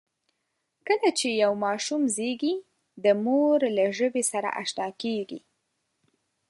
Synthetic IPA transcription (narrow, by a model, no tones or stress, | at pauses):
kəlat͡ʃejawmɑʃumzeɡi | d̪əmoɾlaʒəbesaɾa̰ʔa̰ʃt̪ɑkeɡḭ